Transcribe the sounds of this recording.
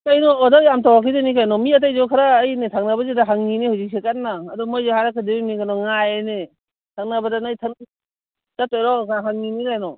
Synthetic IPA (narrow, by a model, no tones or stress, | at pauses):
kajnɔːdɔjamtʰawakʰizanikajnɔmiat̬ajzɔkʰaɾaːjnetʰaŋnabazedaɦaŋninihuzik̚sekatːaːdɔmɔjzehaɾakʰɯdeɾimiɡanɔŋajene | tʰaŋnabadanajtʰan | d̥atɔjɾɔkaɦaŋninikajnɔ